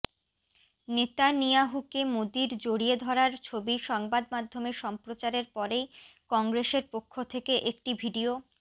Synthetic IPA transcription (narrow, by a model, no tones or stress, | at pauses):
net̪anijaɦukemod̪iɾd͡ʑoɽied̪ʱɔɾaɾt͡ɕʰobiʃɔŋbad̪mad̪ʱːomeʃɔmpɾot͡ɕaɾeɾpɔɾej | kɔŋɡɾeseɾpokʰːot̪ʰekeʔek̚ʈibʱiɖio